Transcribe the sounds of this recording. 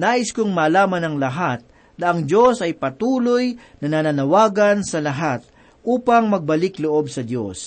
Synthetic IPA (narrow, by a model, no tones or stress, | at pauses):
naːʔɪskʊŋmaːlaːmɐnɐŋlɐɦat̪̚ | d̪ɐʔɐŋd̪jo̞sɐjpɐt̪uːlojnɐnananɐwaːɡɐnsɐlɐɦat̪̚ | ʔuːpɐŋmɐɡ̚bɐlɪkloʔo̞b̚sɐd̪jo̰s